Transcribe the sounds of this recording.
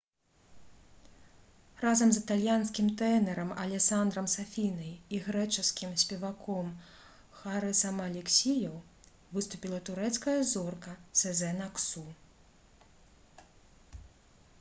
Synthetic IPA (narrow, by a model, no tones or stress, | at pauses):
razɐmzɨt̪alʲjanskʲimt̪ɛnɛɾɐmɐlʲɛsand̪ɾɐmsafʲinɐjiɣɾɛt͡ʂɨskʲimsʲpʲɛvakʰɔm | xaɾɨsɐmɐlʲɛksʲijɐw | vɨst̪upʲilˠɐt̪uɾɛt̪skɐjɐzɔrkɐsɛzɛnaksu